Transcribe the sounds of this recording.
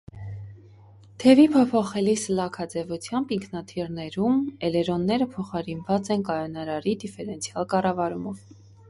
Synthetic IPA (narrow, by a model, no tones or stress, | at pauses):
t̪ʰɛvipʰɔpʰɔχɛlislɑkʰɑd͡zɛvut͡sʰjɑmbiŋkʰnɑt̪ʰirnɛɾumɛlɛɾɔnːɛɾəpʰɔχɑɾinvɑt͡sɛnkɑjɔnɑɾɑɾid̪ifɛɾɛnt͡sʰiɑlkɑrɑvɑɾumɔv